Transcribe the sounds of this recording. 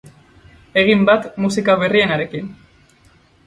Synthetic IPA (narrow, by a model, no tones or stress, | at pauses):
e̞ɣ̞imbat̪musikaβ̞e̞rie̞naɾe̞kin